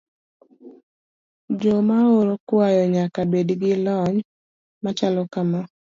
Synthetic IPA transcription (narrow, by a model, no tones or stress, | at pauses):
d͡ʒomaoɾokwajɔɲakabedɡɪlɔɲ | mat͡ʃalɔkama